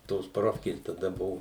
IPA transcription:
toːs ˈproːfʲkʲeːs tɐˈdɐ ˈbʊʋʊ

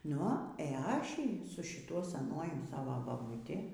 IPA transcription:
ˈnʊ ɛ ˈɑːʃʲɪ sʊ ʃʲɪˈtuɔ sʲɛˈnuɔjʊ ˈsɑːʋɐ bɐbʊˈtʲɪ

